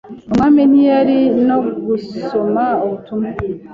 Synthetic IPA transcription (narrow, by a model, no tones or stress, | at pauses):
omaːmenijaɾinoɡusomaoβutumu